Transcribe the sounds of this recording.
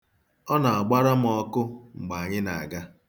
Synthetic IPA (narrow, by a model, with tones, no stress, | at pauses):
ɔ˦na˨a˨ɡ͡ba˦ɾa˦m̩˨˦ɔ˦kʊ˦ŋ͡m̩˨ɡ͡ba˨a˨ɲɪ˦na̰˨a˨ɡa˦